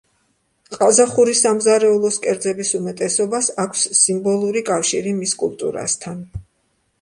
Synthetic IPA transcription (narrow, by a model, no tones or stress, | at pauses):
qʼazaχuɾisamzaɾɛulˠɔskʼɛɾd̪zɛbisumɛt̪ʼɛsɔbasakʷʰsːimbɔlˠuɾikʼafʃiɾimiskʼṵlˠt̪ʼṵɾa̰st̪ʰan